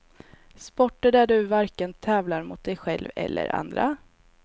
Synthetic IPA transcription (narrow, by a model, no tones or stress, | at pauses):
spɔʈːəɖæɖɵvaɾkənt̪ʰɛːvlaɾmʊt̪̚d̪ɛjɧɛlvɛ̰lːʔə̰ɾa̰nd̪ɾa